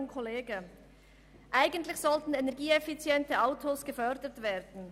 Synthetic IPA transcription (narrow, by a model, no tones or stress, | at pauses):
kʰɔleːɡə | ʔaɪɡəntlɪçz̥ɔltn̩enɛʁɡiːefit͡sjɛntəaʊtʰoːsɡ̥əfœʁdətveːɐdn̩